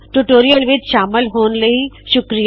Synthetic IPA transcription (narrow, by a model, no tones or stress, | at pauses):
ʈuʈoːɾijəlʋɪd̪ʃaːməlɦuːnlɐɦiʃʊkɾij